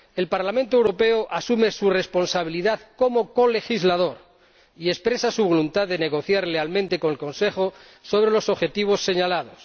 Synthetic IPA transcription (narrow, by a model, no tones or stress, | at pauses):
e̞lpaɾlamẽnt̪̬owɾope̞oʔasumesure̞spo̞nsaβ̞iliðaðko̞mo̞kole̞xizlað̞o̞ɾ | ie̞spɾe̞sasuβo̞lunt̪aððe̞ne̞ɣ̞o̞θjaɾle̞almẽnt̪e̞ko̞ŋelkõ̞nse̞xo | so̞β̞ɾe̞lo̞soβxe̞t̪iβ̞o̞sːe̞ɲalaðo̞s